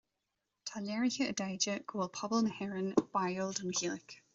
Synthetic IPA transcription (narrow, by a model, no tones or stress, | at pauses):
tʰalɛɹɪçəədajd͡ʒəɡ̥oːlˠpʰɔbəlˠnəhɛɹənb̥ajəlˠdəməhilˠɪk